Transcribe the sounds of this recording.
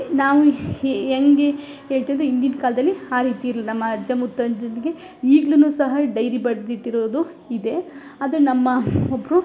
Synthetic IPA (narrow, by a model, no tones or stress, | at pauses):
naːʋueŋɡe̞ | ɦeːɭt̪iːnd̪ɾeind̪inkaːlɐd̪ɐlːiaːɾiːt̪iiɾlinɐmːɐɐd͡ʒɐmut̪ːɐnd͡ʒot̪eɡe̞ | iːɡɭunuːsɐɦɐɖɐjɾibɐɽd̪iʈːiɾo̞ːd̪u | id̪e̞ | aːd̪ɐɾenɐmːɐobːɾu